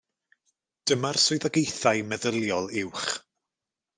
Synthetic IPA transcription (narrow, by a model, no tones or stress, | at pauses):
d̥əmarsʊɨðaɡejθajmɛðəlˠjɔlˠɪwχ